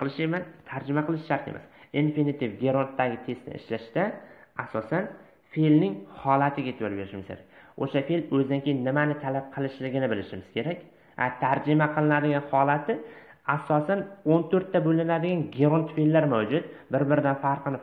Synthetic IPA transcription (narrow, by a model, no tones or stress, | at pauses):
qʰɨlˠɪʃemant̪ʰaɾd͡ʒɪmaqʰɨlˠɪʃʃaɾt̪ḛmʔa̰sinfinɪt̪ʰɪvɡʲeɾont̪ːaɡʲɪt̪ʰe̞st̪nɪ̰ɪ̰ʃlaʃt̪aasɒsan | felnɪŋhɒlˠat̪ʰɪɡʲat̪ʰɪbɒlɾbe̞ɾɪʃɪmɪz̥kʰʲeɾa̰kʲoʃafelɵzd̪aŋkʲejɪnːɪmanɪt̪ʰalap̚qʰɨlˠɪʃlɪɡʲɪnɪbɪlɪʃɪmɪz̥kʲe̞ɾakʲ | hat̪ʰaɾd͡ʒɪmaqʰɨlˠɪnad̪ɪɡʲanhɒlat̪ʰɪ | asɒsanont̪ʰɵɾt̪ʰːabɵlɪnad̪ɪɡʲanɡʲeɾont̪felːaɾmawd͡ʒʊt̪bɪɾbɪɾɪd̪anfaɾqɨnɪ